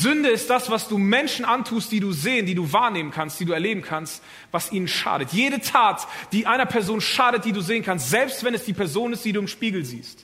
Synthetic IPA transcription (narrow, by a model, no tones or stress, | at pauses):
zʏndəɪst̚d̥asv̥asd̥uːmɛnʃn̩ʔantʰuːst̚d̥iːduːzeːəndiːduːvaːɐneːmənkʰanstd̥iːduːɛɐleːbm̩kʰanst | vasʔiːnənʃa̰ːɾətʰjeːɾətʰaːtd̥iːʔaɪnɐpʰɛɐzoːnʃaːɾət̚d̥iːduːzeːənkʰanstz̥ɛlpstv̥ɛnɛsd̥iːpʰɛɐzoːnɪst̚d̥iːduːɪmʃpiːɡl̩zḭːst